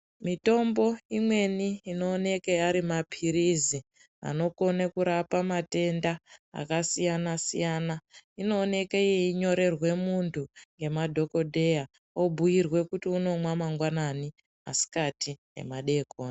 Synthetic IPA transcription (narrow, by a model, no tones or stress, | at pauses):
mito̞mbo̞imwe̞niːno̞ːne̞keaɾimapʰiɾizi | a̰no̞ko̞nekuɾapamate̞ndaa̰kasijanasḭjanaino̞ːne̞kejeiɲo̞ɾe̞rwe̞muntʰuŋɡe̞madʱo̞ko̞dʱe̞ja | o̞bʱujirwe̞kutiuno̞mwamaŋɡwanani | a̰si̥katʰije̞̰maɗe̞koːna